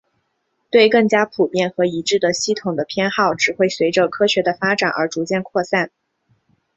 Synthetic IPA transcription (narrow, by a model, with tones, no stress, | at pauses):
t̪we˥˧ɪkɤ˥˩ŋt͡ɕja˥pʰu˨˩pjɛ˥˩nxɤ˧˥i˧˥ʈ͡ʂɻ̩˥˩d̪ə˩ɕi˥˩t̪ʰʊ˨˩ŋd̪ə˦pʰjɛ˥nxɑ˥˩ʊʈ͡ʂɻ̩˨˩xwe˥˩ɪswe˧˥ɪʈ͡ʂə˧kʰɤ˥ɕɥɛ˧˥d̪ə˧fa˥ʈ͡ʂa̰˨˩nʔə̰˞˧˥ʈ͡ʂu˧˥t͡ɕjɛ˥˧nkʰwɔ˥˧sa˥˩n